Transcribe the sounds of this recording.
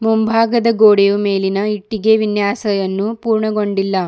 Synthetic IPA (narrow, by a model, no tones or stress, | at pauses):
mumbʱaːɡɐd̪ɐɡoːɽejume̞ːlinɐiʈːiɡe̞ʋinjaːsɐjɐnːupuːɾɳɐɡo̞ɳɖilːɐ